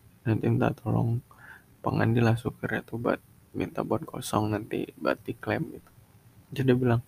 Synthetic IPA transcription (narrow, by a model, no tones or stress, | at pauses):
nant̪int̪a̰t̪olɔ̰ŋ | pəŋa̰ndilahsukəɾjat̪uba̰t̪̚ | mḭnt̪abuat̪̚kʰɔ̰sɔŋnant̪ḭba̰t̪iklɛmɡit̪u̥ | d͡ʒadiəbilaŋ